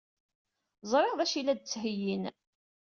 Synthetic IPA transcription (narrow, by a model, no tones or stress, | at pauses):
zˤɾˤeʁðæʃilæd̪̚t͡sːɦəjːin